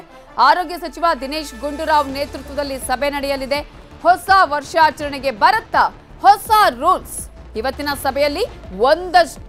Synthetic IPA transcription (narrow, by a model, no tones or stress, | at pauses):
aːɾoːɡjɐsɐt͡ʃiʋad̪ineːʃɡuɳɖuɾaːʋneːt̪ɾut̪ʋɐd̪ɐlːisɐbʱenɐɽɛjɐlid̪e̞ | hɔsaʋɐɾʂaːt͡ʃɐɾɐɳɛɡe̞bɐɾɐt̪ːɐ | hɔsaɾuːlsiʋɐt̪ːinɐsɐbʱɛjɐlːiʋond̪ɐ